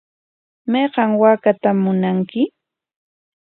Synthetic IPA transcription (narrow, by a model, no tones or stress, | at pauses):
mɑjɢɑŋwaːkat̪amːʊnaŋkɪ